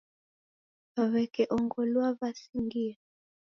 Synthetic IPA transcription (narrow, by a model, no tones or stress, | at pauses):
βaβɛkɛʔɔŋɡɔlwaβasiŋɡia